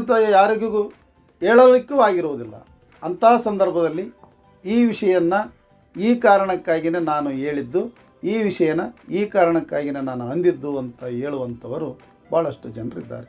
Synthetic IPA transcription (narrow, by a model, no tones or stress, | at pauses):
nt̪ɐjaːɾiɡuɡu | ɦeːɭɐlikːuaːɡiɾuʋud̪ilːɐ̰ | ɐnt̪ʰaːsɐnd̪ɐɾbʱɐd̪ɐlːi | iːʋiʂɐjɐnːɐ | iːkaːɾɐɳɐkːaːɡine̞ːnaːnue̞ːɭid̪ːu | iːʋiʂɐjɐnɐiːkaːɾɐɳɐkːaːɡine̞ːnaːnuɐnd̪id̪ːuɐnt̪ʰɐɦe̞ːɭuʋɐnt̪ʰɐʋɐɾu | b̥aːɐɭɐʂʈud͡ʒɐnrḭd̪ːa̰ːɾe